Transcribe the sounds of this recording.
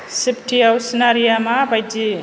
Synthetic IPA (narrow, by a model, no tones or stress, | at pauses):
siptʰiawsinaɾijamabajdi